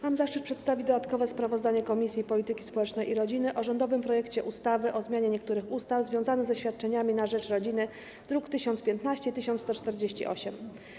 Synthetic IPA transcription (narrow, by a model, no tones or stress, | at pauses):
mamzaʂt͡ʂɘt̪̚pʂɛt̪st̪avʲid̪ɔd̪at̪kɔvɛspɾavɔzd̪aɲɛkɔmʲisʲjipɔlʲit̪ɘkʲispɔwɛt͡ʂnɛjiɾɔd͡ʑinɘʔɔʐɔnd̪ɔvɘmpɾɔjɛkt͡ɕɛʔust̪avɘʔɔzmʲjaɲɛɲɛkt̪uɾɘxust̪avzvʲjɔ̃w̃zanɘzɛɕfʲat̪̚t͡ʂɛɲamʲinaʐɛt͡ʂɾɔd͡ʑinɘ | d̪̥ɾukt̪ɘɕɔnt̪spʲjɛnt̪naɕt͡ɕɛit̪ɘɕ̬ɔnt̪ɔt͡ʂt̪ɛɾd͡ʑeɕt͡ɕḭʔɔ̰ɕɛm